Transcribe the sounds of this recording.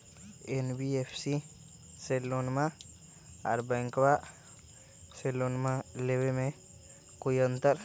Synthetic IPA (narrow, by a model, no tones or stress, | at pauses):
enbiefsi | selːonma | a̰ɾbaŋkwa | selonmaleweme | kujɔnt̪ɐɾ